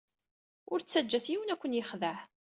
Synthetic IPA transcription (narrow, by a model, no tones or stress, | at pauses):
ʊɾt͡sːæd͡ʒːæθjiwənækʷːənjəχðəʕ